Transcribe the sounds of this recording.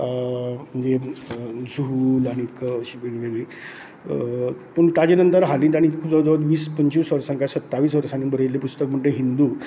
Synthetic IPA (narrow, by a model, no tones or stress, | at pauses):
m̤əd͡ʑe | d͡zuɦulaɽ̃ikɕiʋeɡʋeɾʋĩː | pəɳt̪ad͡ʑenənt̪əɾɦalĩnt̪aɽĩkikʰud͡zəd͡zəʋəd̪ʋiːspəɲt͡ɕiːsʋəɾsãŋkasət̪ːaʋiːsʋəɾsaniːnbʱəɾjelepust̪ək̚m̤əɳʈeɦind̪u